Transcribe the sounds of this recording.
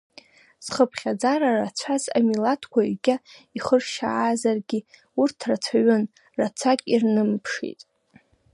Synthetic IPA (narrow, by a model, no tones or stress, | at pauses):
sχəpʰχʲad͡zaɾarat͡ɕʷʰazamilatʰkʷʰaiɡʲaiχərʃa̰aːzarɡʲi | urtʰrat͡sʷʰaɥʊn | rat͡sʷʰakʲʼirnɨmpʰʂḭtʼ